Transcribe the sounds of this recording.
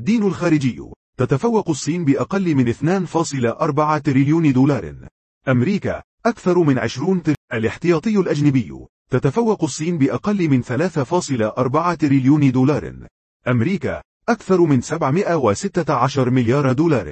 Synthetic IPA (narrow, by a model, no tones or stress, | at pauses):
d̪ːiːnʊlxaːɾɪd͡ʒɪj̰ː | t̪at̪afawːɑqsˤːiːnbɪʔɑqɑlːmɪnʔɪθnaːnfɑːsˤɨlaʔɑɾˤbaʕat̪ɾɪljuːnd̪uːlɑːɾ̰ˤ | ʔamɾiːka̰ | ʔakθɑɾˤmɪnʕɪ̰ʃɾuːnt̪ʔalɪħt̪ɪjɑːt̪ˤɨjːʊlʔad͡ʒnabɪj̰ː | t̪at̪afawːɑqsˤːiːnbɪʔɑqɑlːmɪnθalaːθafɑːsˤɨlaʔɑɾˤbaʕat̪ɾɪljuːnd̪ːlɑːɾ̰ˤ | ʔamɾiːka̰ | ʔakθɑɾˤmɪnsabʕmɪʔawasɪt̪ːaʕaʃɑɾˤmɪljɑːɾˤd̪uːlɑːɾ̰ˤ